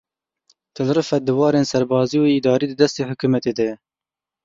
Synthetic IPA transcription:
t̪ʰɨlɾɨfɐd̪ɨwɑːɾensɐɾbɑːzijoid̪ɑːɾiːd̪ɨd̪ɐst̪eːhʊkumɐt̪ed̪ɛjɛ

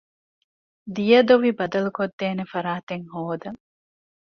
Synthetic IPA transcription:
d̪ijɐd̪oʋibɐd̪ɐlukod̪ːeːnefɐɾaːt̪eŋhoːd̪ɐŋ

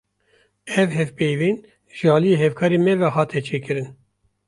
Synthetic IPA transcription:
ɛvhɛvpejviːn | ʒ̥ɨɑːlijeɦɛvkʰɑːɾeːmɛvɛhɑːt̪ʰɛt͡ʃʰeːkɨɾɨn

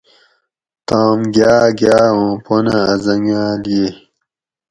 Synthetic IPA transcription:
t̪aːmɡaːɡjaːõːpʰonaːzɐŋaːlije

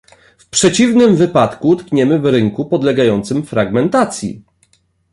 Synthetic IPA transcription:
fpʂɛt͡ɕivnɘmvɘpat̪kut̪kɲɛmɘvɾɘŋkupɔd̪lɛɡajɔnt̪sɘmfɾaɡmɛnt̪at̪sʲjḭ

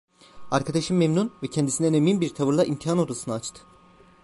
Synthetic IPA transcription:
aɾkʰad̪aʃɯmːemnunvɛcʰɛnd̪isinɛneminbiɾt̪ʰavɯɾlˠaʔimt̪ʰiɦano̞d̪usɯnaːt͡ʃt̪ʰɯ̥

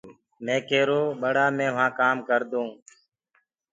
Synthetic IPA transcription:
mẽːkeːɾoːɓəɽaːmẽːʋãːkaːmkəɾd̪õː

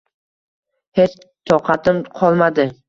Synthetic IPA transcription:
het͡ʃ | t̪ʰɒqʰɑt̪ɪmqʰɒlˠmad̪ɪ

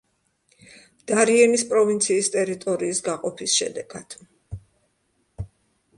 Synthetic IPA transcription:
d̪̥aɾiɛnispʼɾɔvint̪sʰiːst̪ʼɛɾit̪ʼɔɾiːsɡaqʼɔpʰisʃɛ̰d̪ɛɡ̥ad̪̥

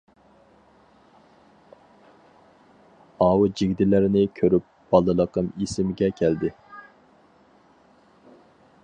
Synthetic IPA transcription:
ɑːwud͡ʒiɡʲd̪ɪlɪɾɪnɪkʲʰøɾyp̚b̥ɑlˠɨlˠəqʰəmisɪmɪɡʲɛkʲʰæld̪ɪ

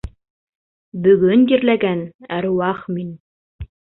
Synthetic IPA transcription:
bɵ̆ɡɵnjiɾlæɡænæɾuwɑχmin

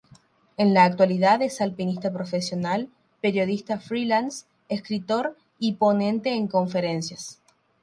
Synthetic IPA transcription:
enlaːk̚t̪waliðaðesalpinist̪apɾo̞fesjo̞nal | peɾjo̞ð̞ist̪afɾilans | eskɾit̪o̞ɾ | ipo̞nẽ̞nt̪e̞ːŋko̞ɱfe̞ɾe̞nsjas

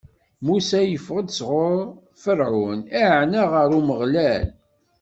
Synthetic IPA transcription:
musæjəfəʁəd̪sʁoɾ | fəɾʕʊnæʕnæʁəɾuməʁlæl

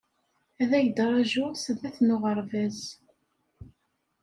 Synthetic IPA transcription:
æðæjəd̪ɾˤɑʒʊsənðæθnʊʁəɾˤvæz

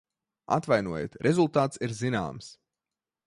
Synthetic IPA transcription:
a̰t̪vajnuɔjḛt̪ɾʔɛzulˠt̪aːt̪siɾzina̰ːms

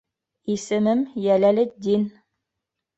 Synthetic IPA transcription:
isɘ̆mɘmjælælɘd̪in

